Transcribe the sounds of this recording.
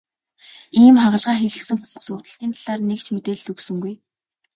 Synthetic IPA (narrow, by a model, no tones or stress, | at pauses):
iːmχaʁə̆ɮʁaːxeɮɘ̆ksɘ̆ŋxuusʊt̪ə̆ɬt̪iːnt̪ʰaɮ̥aːrnekt͡ɕʰmet̪eːɮɵksɵ̆ŋɡuj